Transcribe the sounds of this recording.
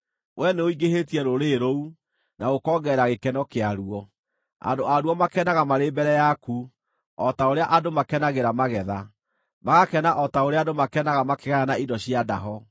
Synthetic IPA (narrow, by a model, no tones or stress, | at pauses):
wʔɛneoiɡeɦetiɛɾoɾeɾou | naɣokɔːɡɛɾaɣekɛnɔkeaɾuɔ | a̰ndoaɾuɔmakɛnaɣamaɾeːbɛɾɛjaku | ɔtaoɾeaʔadomakɛnaɣeɾamaɣɛða | maɣakɛnaʔɔtaoɾeadomakɛnaɣamakeɣaanaidɔɕiadaɦɔ